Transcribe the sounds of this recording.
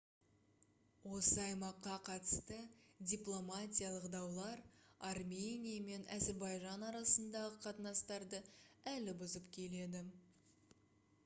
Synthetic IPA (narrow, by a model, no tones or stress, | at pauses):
wo̞səɑjmɑqːɑqʰɑt̪ə̥st̪ədʲiplˠo̞matʲijalˠəqd̪ɑwlˠɑɾɑrmʲe̞nʲijame̞næze̞ɾbɑjʒɑnɑɾɑsənd̪ɑʁəqʰɑt̪ənɑst̪ɑɾd̪əælɪbʊzəpkʲʰe̞le̞d̪ɪ